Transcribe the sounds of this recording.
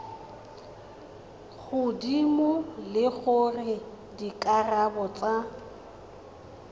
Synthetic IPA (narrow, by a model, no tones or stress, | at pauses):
ɣʊdimʊlɪɣʊrɪ | dikʼarabɔt͡sʼa